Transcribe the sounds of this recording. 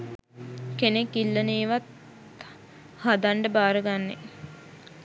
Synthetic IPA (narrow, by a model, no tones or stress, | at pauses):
kenekːilːəniːʋat̪ | had̪aɳɖəbaːɾəɡanːḛ